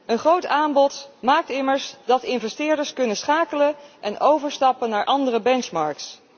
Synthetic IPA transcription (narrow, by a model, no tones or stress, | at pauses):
ənχrowtaːmbɔtmaːk̚tɪməɹsdɑtɪnvɛstɪːɹdəɹskɵnəsχaːkələʔɛnowvəɹstɑpənaːɹʔɑndərəbɛnt͡ʃmɑɹks